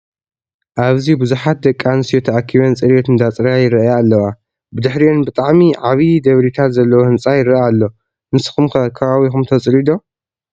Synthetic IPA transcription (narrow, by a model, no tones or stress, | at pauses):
ʔaβzibɨzuħat̪̚d̪ɐkʼːanɨsijot̪ʰɐʔakʰːiβɐnt͡sʼɨɾjot̪ɨnd̪at͡sʼɨɾajɪɾɐʔajalːɐwa | bɨd̪ɨħɾionbɨt̪ʼaʕmiʕaβid̪ɐβɾit̪ʰat̪zɐlːɐwohɨnt͡sʼajɪɾɐalːo̞ | ɨnɨsɨ̥xumkʰɐkʰɐβaβixumt̪ʰɐt͡sʼɾid̪o̞